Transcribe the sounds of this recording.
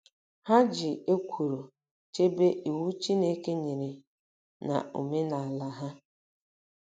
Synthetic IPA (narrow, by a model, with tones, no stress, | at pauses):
ha˦d͡ʒɪ˨e˦kʷʰu˨ɾo˨ | t͡ʃe˦be˦ʔi˨wu˦t͡ʃi˦ne˦ke˦ɲe˨ɾe˨ | na̰˨ṵ˨me˦na˨a˨la˨ɦa˦